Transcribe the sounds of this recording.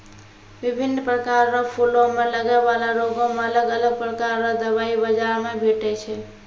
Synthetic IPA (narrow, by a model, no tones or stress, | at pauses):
bibʱinːpɾəkaɾːɔpʰulomeləɡabalaɾoɡomeələɡələɡ̚pɾəkaɾːɔ̃d̪əbaibəd͡ʒaɾmebʱeʈɛt͡ʃʰɛ